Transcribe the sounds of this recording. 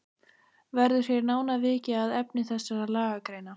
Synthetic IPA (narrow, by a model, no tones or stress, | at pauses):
vɛɾðʏ̥jejɾnaːwnavɪːcɪaðɛpnɪθɛsːaɾalaːɣakɾeːjna